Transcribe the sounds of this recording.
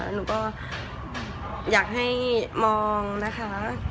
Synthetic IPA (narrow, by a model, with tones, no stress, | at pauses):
nuː˨˩˦kɔː˥˩ | jaː˨˩k̚ɦa˥˩jmɔː˧ŋna˦˥kʰa˦˥